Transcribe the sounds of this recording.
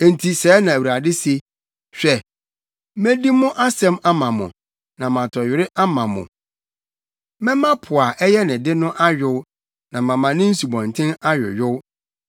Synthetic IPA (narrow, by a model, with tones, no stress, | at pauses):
n̩˨tʰi˨sɛː˨˦nã˨wi˨a˨dɪ˦se˦ | ɕᶣɛ˨ | mæ̃˦di˦mʊ̃˦ʔa˦sɛ̃˦ma˦mã˨mʊ̰̃˨ | nã˨mã˨tʰɔ˨ɥɪ˨ɾɪ˦ʔa˦mã˨mʊ̰̃˨ | mɛ̃˦mã˦pʰʊ˨a˨ʔɛ˦jɛ˦nɪ̃˨dɪ˦nʊ̃˦ʔa˦ɥᶣʊ˦w | nã˨mã˨mã˨nɪ̃˦n̩˦su˨bɔ̃˨ntʰɪ̃˦na˦ɥʊ̰˨ɥʊ˦w